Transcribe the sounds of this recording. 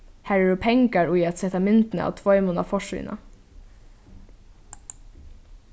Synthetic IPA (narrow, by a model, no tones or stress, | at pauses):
hæːɹɛɖupʰɛŋkaɹujæt̪sɛt̪amʏnt̪nə̰a̰ːt̪ʰʋɔʏmʊna̰fɔʂḭːna̰